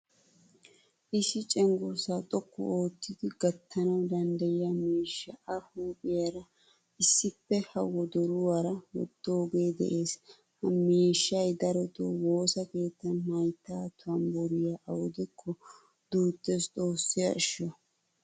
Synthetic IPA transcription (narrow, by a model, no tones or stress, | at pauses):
ʔɪsɪt͡ʃʼɛŋɡɔsaːt̪ʼɔkːɔ̰oːt̪ːɪd̪ɪɡɐt̪ːɐnɐwd̪ɐnd̪ɐjɪjɐmeːʃːɐɐhuːpʼɪjɐɾɐ | ɪsːɪpːɛhɐwɔd̪ɔɾʊwaɾɐwɔ̰d̪̥ːoːɡe̞ːd̪ɛ̰ʔe̞ːs | hɐmeːʃːɐjd̪ɐɾɔt̪owo̞ːsɐke̞ːt̪ːɐnnɐjt̪ːaːt̪ʰʊɐnbɔɾɪjaʔɐwɔd̪ɛkʰːɔ | d̪uːt̪ːest̪ʼo̞ːsːɪjɐ̰ɪʃɔ